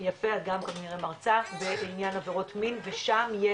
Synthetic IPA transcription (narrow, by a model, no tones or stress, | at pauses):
jafeaɡamkaniʁemaʁt͡saχbeinjanaveʁo̞tminveʃamje